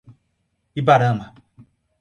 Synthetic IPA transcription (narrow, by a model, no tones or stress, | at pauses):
ibaɾãma